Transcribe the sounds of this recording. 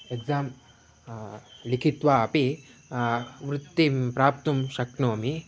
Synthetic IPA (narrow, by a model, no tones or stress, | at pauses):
eɡd͡zaːm | likʰit̪ʋaɐpi | ʋɾut̪ːipɾaːp̚t̪umɕɐknoɐmi